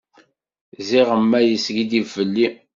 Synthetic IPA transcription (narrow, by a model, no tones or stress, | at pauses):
ziʁəmːæjəsɡid̪ivːəlːi